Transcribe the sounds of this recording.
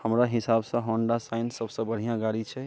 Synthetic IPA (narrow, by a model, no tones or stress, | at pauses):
həmɾaɦɪsabsə̃ɦɔ̃ɳɖasaɪnsəbsə̃bəɽ̤ijãɡaɽit͡ʃʰɛ